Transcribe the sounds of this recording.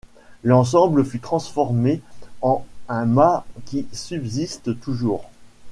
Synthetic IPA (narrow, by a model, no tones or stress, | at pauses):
lɑ̃s̬ɑ̃bləfyt̪χɑ̃sfɔʁmeɑ̃ɛ̃makʲisybzist̪ət̪uʒuːʁ